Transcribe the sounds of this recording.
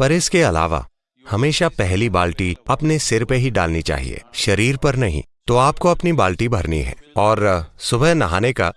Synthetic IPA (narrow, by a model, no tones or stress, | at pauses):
pɐɾɪskeɐla̰ːʋa̰ | hɐmeːʃapɛɦlibaːlʈiɐpnesɪɾpeɦiɖa̰ːlnit͡ʃa̰ːɦḭḛːʃɐɾiːɾpɐɾnɐɦḭ̃ːt̪oaːp̚koɐpnibaːlʈibʱɐɾnḭɦɛ̰ːɔːɾsʊbəɦnɐɦaːneka̰